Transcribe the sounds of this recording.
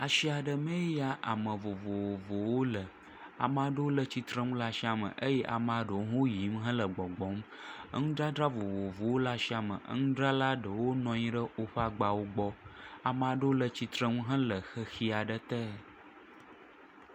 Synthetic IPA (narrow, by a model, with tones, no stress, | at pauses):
a˨ʃi˦a˨ɖə˨mẽ˦ja˦ʔa˨mə̃˨vo˨vo˨wo˨vo˨wo˦lə˨ | a̰˨m˦ã˨ɖə˦wo˦lə˦t͡ɕi˨t̪ɾə˦ŋũ˦la˦ʃi˦a˨mə̰̃˨ʔə˦jɛ˦ʔa̰˨ma˨ɖə˨wo˦ɦõ˦ji˨˦mɦɛ̃˦lə˨ɡ͡bɔ˨ɡ͡bɔ˨˦mə̰˦ŋũ˦ɖɾa˦dɾa˦vo˨vo˨vo˨wo˦la˦ʃi˦a˨mə̰˨ʔə̰˦ŋũ˦ɖɾa˦la˦ɖə˨wo˦nɔ̃˨˦ɲĩ˦ɖə˦o˦ɸa˦ɡ͡ba˨wo˦ɡ͡bɔ˦a˨mã˨ɖə˦wo˦lə˨t͡ɕi˨t̪ɾə˦ŋũ˦ɦɛ̃˦lə˨xə˦xi˦a˨ɖə˦t̪ə˦